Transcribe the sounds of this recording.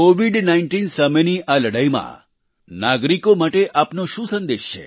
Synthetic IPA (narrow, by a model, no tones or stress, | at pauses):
oʋiɖnaiɳʈinsəmeniʔaləɽajmã̰ | naɡɾikomaʈeʔapnoʃũsənd̪eʃt͡ʃʰḛ